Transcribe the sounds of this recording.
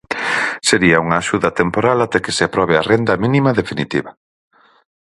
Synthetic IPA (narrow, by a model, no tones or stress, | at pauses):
seɾiɐuŋaːʃuðɐt̪empoɾalat̪ɛkeseapɾɔβearend̪ɐminimɐðefinit̪iβɐ